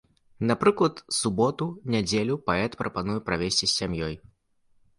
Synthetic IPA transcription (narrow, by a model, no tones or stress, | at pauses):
nɐpɾɨklˠɐt̪subɔt̪unʲad͡zʲelʲupaɛt̪pɾʔɐpanujɛpɾavʲesʲt͡sʲisʲːamjɔj